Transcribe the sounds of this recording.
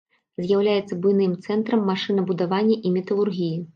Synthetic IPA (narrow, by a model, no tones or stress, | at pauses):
zʲjawlʲajɛt̪sːɐbujnɨmt̪sɛnt̪ɾɐmːaʂɨnɐbud̪avanʲːɐʔimʲɛt̪ɐlˠurɣʲiji